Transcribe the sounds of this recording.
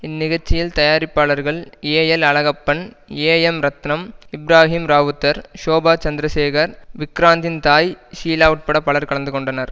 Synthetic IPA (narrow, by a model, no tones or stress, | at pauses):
ɪnːɪɣɐɾt͡ʃːɪjɪlt̪ɐjaːɾɪpːaːɭɐɾɣɐɭeːjɛlɐɭɐɣɐpːɐɳ | eːjɛmɾɐt̪nɐmɪbɾaːɦiːmɾaːʋɯt̪ːɐɾʂoːbaːt͡ʃɐnd̪ɪɾɐseːɣɐɾʋɪkɾaːnd̪ɪnt̪aːjʃiːlaːʊʈ̚pɐɽɐpːɐɭɐɾkɐɭɐnd̪ɯkɔɳɖɐnɐɾ